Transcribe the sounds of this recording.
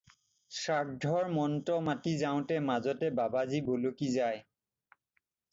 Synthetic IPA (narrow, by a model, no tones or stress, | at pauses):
sɹak̚dʱɔɹmɔntɔmatizaʊ̃tɛmazɔtɛbabazibolokizaj